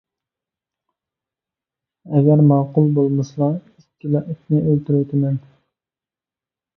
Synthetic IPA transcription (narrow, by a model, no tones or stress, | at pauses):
ɛɡʲɛɾmɑːqʰʊlˠbolˠmɨslˠɑ | ikʲʰːilɑʔikʲʰnɪʔølt̪yɾwt̪ʰɪmɛn